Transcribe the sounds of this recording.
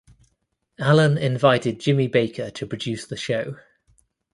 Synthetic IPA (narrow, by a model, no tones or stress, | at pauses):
alə̃nɪ̃ɱvaɪtɪd̚d͡ʒɪ̃mibeɪkʰətʰəpʰɹ̥əd͡ʒʉˑsðəʃəʊ